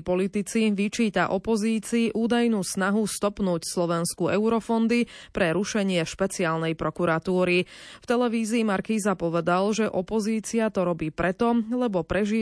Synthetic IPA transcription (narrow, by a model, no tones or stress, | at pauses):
pɔlit̪it͡siʋit͡ʃiːt̪aʔɔpɔziːt͡siːʔuːd̪ajnuːsnaɦust̪ɔpnuːcslɔʋɛnskuɛʊɾɔfɔnd̪ipɾɛɾuʃɛɲɪɛʃpɛt͡siaːlnɛjpɾɔkuɾat̪uːɾift̪ɛlɛʋiːziːmaɾkiːzapɔʋɛd̪alʒɛʔɔpɔziːt͡siat̪ɔɾɔbiːpɾɛt̪ɔlɛbɔpɾɛʒiː